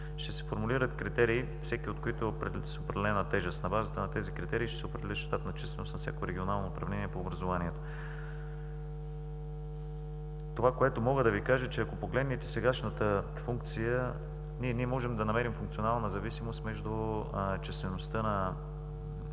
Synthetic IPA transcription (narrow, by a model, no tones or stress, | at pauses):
ʃt̪ɛsɛ̥foɾmuliɾət̪kɾit̪ɛɾiː | fsɛkiot̪koit̪o | sɛopɾɛd̪ɛlɛnət̪ɛʒɛst̪nɐbazət̪ənɐt̪ɛzikɾit̪ɛɾiːʃt̪ɛ̥sɛopɾɛd̪ɛlɛʃt̪apnɐt͡ʃɛst̪vɛnosnɐfsʲjakoɾɛɡionalˠnoːpɾɐvlɛniɛpoːbɾɐzovaniɛt̪o̥ | t̪ovakoɛt̪omɔɡəd̪ɐvikaʒət͡ʃɛɐkopoɡlɛd̪nit̪ɛsɛɡaʃnət̪ə | fuŋk̚t̪sijə | niɛniɛmɔʒɛmd̪ɐnɐmɛɾimfʊuŋkt̪sionalˠnɐzɐvisimost̪mɛʒd̪ʊt͡ʃɛst̪vɛnost̪ənɐ